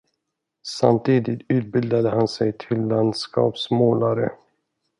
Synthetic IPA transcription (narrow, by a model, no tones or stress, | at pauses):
sa̰mt̪ʰiːd̪ɪt̪ʉ̟ːt̪̚bɪld̪ad̪əhansɛjt̪ʰɪlːand̪skɑ̰ːpsmoːlaɾə̰